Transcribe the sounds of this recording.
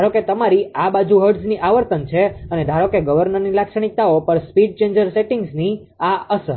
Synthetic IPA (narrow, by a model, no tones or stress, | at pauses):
d̪ʱaɾoket̪əmaɾiabad͡ʒuɦəɾɖsniʔaʋəɾt̪ənt͡ʃʰeəned̪ʱaɾokeɡəʋəɾnəɾnilakʃəɽ̃ik̚t̪aopəɾspiɖ̚t͡ʃẽnd͡ʒəɾseʈiŋɡzni | aəsə